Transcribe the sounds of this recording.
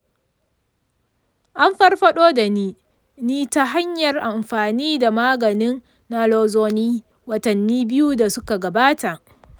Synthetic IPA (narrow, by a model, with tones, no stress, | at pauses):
ʔa˦mɸɐ˦rɸɐ˦ɗoː˦da˨niː˦ | niː˦ta˦ɦa˦ɲjɐ˨rʔa˨mɸaː˨niː˦da˨maː˦ɡɐ˨nɪ˦nː | a˦loː˦zoː˦niː˦ | wɐ˨tɐ˨nːiː˦bɪ˦ju˦da˨sʊ˦ka˨ɡɐ˨baː˦ta˨ʔ